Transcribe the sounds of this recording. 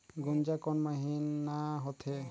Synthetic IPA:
ɡund͡ʒakɔnmaɦinːaɦɔt̪ʰɛ

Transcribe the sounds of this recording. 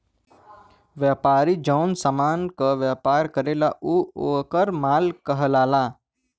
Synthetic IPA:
ʋjaːpaːɾid͡ʒaʊnsamaːnkəʋjaːpaːɾkəɾeːlaʔuokəɾmaːlkəɦəlaːlaː

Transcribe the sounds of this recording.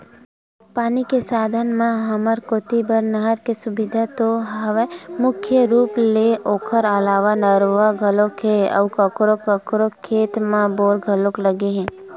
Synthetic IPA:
paːnikesaːd̪ʱənmãɦɐməɾkoːt̪ibəɾnəɦəɾkesʊbɪd̪ʱat̪oɦɦɐʋemʊkʰjəɾuːpleʔoːkʰəɾəlaːʋanəɾʋaɡʱɐlõkɦeɐ̰ʋkəkɾokəkɾokʰːeːt̪mãboːɾɡʱəlõkləɡeɦɛ̃ː

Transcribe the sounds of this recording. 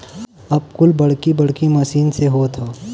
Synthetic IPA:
ɐb̚kʊlbɐɽ̤kibɐɽ̤kimɐsiːnseɦot̪ʰaː

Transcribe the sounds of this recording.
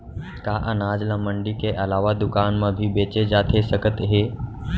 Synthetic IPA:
kaʔənaːd͡ʒlaməɳɖikeʔəlaːʋad̪ʊkaːnmãbʱibeːt͡ʃed͡ʒaːt̪ʰesəkət̪ɦe

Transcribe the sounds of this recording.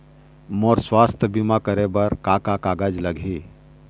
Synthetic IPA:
moːɾswaːst̪ʰəbimakəɾebəɾkaːkakaːɡad͡ʒləɡʱiː

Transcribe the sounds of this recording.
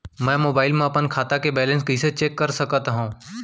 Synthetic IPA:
mɛ̃ːmoːbaːɪlmẽɐpənkʰaːt̪akebɛːlə̃nskəɦiset͡ʃeːkːɐɾsɐkət̪aɦũː

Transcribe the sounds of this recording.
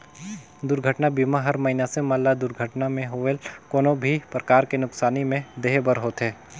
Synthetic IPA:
d̪ʊɾɡʱəʈnabiːmaɦɐɾmɐɦinasemalːad̪ʊɾɡʱəʈnamẽɦoelkoːnõbʱipɾɐkaːɾkenʊksaːnimẽd̪eːɦbəɾɦoːt̪ɦeː

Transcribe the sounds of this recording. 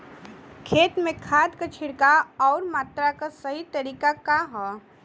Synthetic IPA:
kʰeːt̪mẽkʰaːd̪kat͡ʃʰɪɽkaɔːɾmaːt̪ɾakasəɦit̪əɾiːkakaɦɛː

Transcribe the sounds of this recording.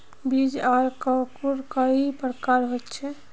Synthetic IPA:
bid͡ʒaɾkakuɾkaipɾəkaɾɦot̪ːt͡ʃʰɛ

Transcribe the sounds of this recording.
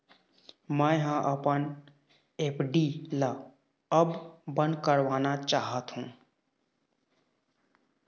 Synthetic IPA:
məɦə̃ʔəpən | epʰɖilə | əbbənkəɾʋanat͡ʃaɦət̪ɦũ

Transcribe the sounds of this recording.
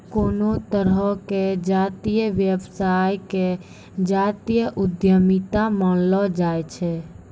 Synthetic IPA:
koːnot̪əɾəked͡ʒaːt̪ijəʋjəbsajke | d͡ʒaːt̪ijəʔʊd̪jəmit̪aməɳ̃lɔd͡ʒaːet͡ʃʰɛ

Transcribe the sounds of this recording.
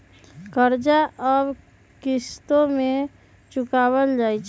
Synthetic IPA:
kəɾd͡ʒaʔɔːb | kɪst̪õmẽ | t͡ʃʊkaːwəld͡ʒaːit͡ʃʰ

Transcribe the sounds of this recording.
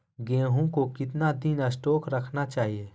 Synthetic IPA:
ɡẽːɦõkokɪt̪nad̪ɪnəsʈoːkɾəkʰnat͡ʃaːɦieː

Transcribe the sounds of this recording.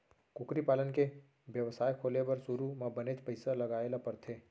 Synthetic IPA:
kʊkɾipaːlənke | ʋjəʋsaːjkʰoːlebɐɾsʊɾumãbɐnet͡ʃpɐɦɪsalɐɡaːelapɐɾt̪ʰeː

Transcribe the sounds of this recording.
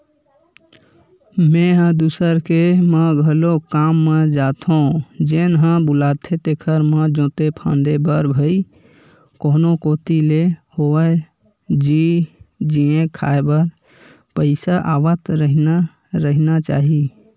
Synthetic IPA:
mẽɦə̃d̪usəɾkeməɡʱəlokamːẽd͡ʒaːt̪ʰɦõd͡ʒenɦə̃bʊlat̪ʰet̪ekʰəɾmə̃d͡ʒõːt̪epʰə̰̃nd̪ebəɾbʱəi | koɦnokoːt̪ilehoə | d͡ʒid͡ʒiẽkʰa̰ebəɾ | pəɪsaʔaːʋət̪ɾəɦina | ɾəɦinat͡ʃa̰ːɦi

